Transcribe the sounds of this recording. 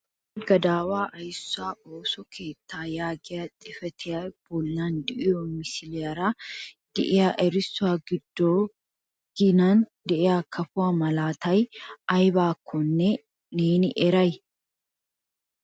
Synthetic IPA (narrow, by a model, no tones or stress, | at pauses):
ɡɐd̪aːwaːʔɐjɪsːʊaːoːsɔkʰe̞ːt̪ːaːjaːɡɪɐt̪ʼɪfɛt̪ʰɛjɐb̥ɔlːaːnd̪ɪʔɪɔmɪsɪlɛɐɾaː | d̪̥ɛ̰ʔɪjaʔɛɾɪsːʊaːɡɪd̪ːoː | ɡ̥ɪnand̪ɛʔɛaːkʰɐfʊamɐlaːt̪ɐjʔɐjbaːkʰːɔnːɛ | neːnɪʔɛɾɐj